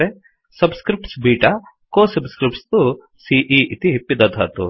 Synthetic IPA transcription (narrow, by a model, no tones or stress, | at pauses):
e | sɐbskɾip̚ʈsbiːʈa | koːsɐbskɾip̚ʈst̪u | siʔiːʔit̪ipid̪ɐd̪ʱa̰t̪ṵ